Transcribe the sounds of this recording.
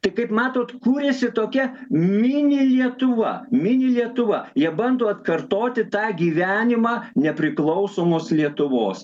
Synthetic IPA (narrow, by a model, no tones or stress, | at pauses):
t̪ɐɪkɐɪpmɑːt̪oːt̪kuːɾʲɛsʲɪt̪oːkʲɛmʲɪnʲɪlʲiɛt̪ʊʋɐ̰mʲɪnʲɪlʲiɛt̪ʊʋɐjiɛbɐnd̪oːɐt̪kɐrt̪oːt̪ʲɪt̪ɑːɡʲiːʋʲæːnʲɪmɑːnʲɛpʲɾʲɪklˠɐʊsoːmoːslʲiɛt̪ʊʋoːs